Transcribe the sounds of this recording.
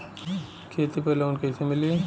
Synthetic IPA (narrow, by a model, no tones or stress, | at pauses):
kʰeːt̪ipɐːleʊnkeːsʰemɪle